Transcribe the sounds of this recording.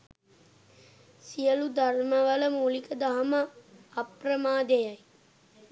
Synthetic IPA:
sijəlud̪arməʋələmuːlikəd̪aɦɐməɐprəmaːd̪ejaj

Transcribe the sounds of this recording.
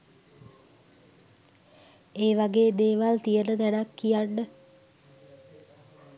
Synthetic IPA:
eːʋaɡeːd̪eːʋalt̪ijənət̪ɛnakːijanːə

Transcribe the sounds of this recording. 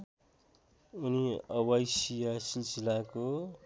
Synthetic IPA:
uniʌwʌjsijasilsilako

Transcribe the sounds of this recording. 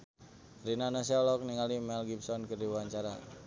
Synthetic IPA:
rinanas̬ilɔk̚niŋalimɛlɡip̚sɔnkərdiwaɲt͡ʃaɾa

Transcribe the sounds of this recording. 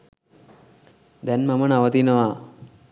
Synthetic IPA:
d̪ɛnmamənaʋət̪inəʋaː

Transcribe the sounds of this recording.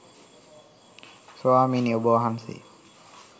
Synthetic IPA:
soaːminioboɦansḭ

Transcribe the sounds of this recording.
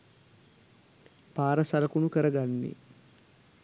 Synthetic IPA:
paːɾɐsalɐkunukəɾɐɡanːḭ

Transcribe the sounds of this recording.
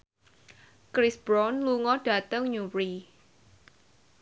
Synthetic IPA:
kɾisb̥ɾɔnluŋɔɖ̥a̤t̪əŋɲuɾi

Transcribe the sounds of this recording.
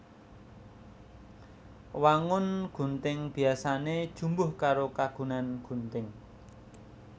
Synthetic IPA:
waŋʊnɡ̥ṳnt̪ɪŋb̥i̤asaned̥ʒ̥ṳmbʊhkaɾokaɡ̥ṳnanɡ̥ṳnt̪ɪŋ

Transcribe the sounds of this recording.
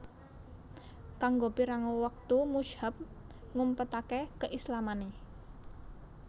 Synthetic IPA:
kaŋɡopiɾaŋowək̚t̪umuʃhəp̚ | ŋumpət̪akekəʔislamane

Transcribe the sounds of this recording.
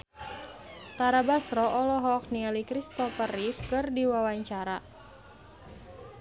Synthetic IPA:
t̪aɾabasɾɔʔɔlɔɦɔk̚niɛlikɾist̪ɔfərifkɨrdiwawaɲt͡ʃaɾa

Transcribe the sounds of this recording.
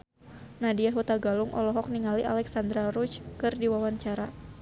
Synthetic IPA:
nadiaɦut̪aɡalʊŋʔɔ̰lɔɦɔk̚niŋaliʔa̰lɛksand̪ɾaɾut͡ʃkɨrdiwawaɲt͡ʃaɾa

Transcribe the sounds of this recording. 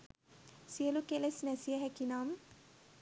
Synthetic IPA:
siəlukelesnɛsijəɦɛkinaːm

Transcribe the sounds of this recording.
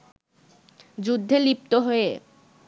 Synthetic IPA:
d͡ʑud̪ʱːelip̚t̪oɦoe

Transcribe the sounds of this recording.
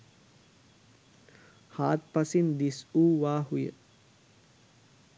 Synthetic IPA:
haːt̪̚pasind̪isuːʋaːhujə̰

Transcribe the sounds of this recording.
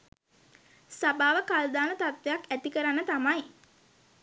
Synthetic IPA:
sabaːʋəkald̪aːnət̪at̪ʋejakæt̪ikəɾanːət̪amaj

